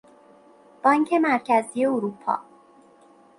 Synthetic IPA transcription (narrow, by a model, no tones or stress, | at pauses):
b̥ɒːŋcʰe̞mæɾcʰæzije̞oɾupʰɒ̰ː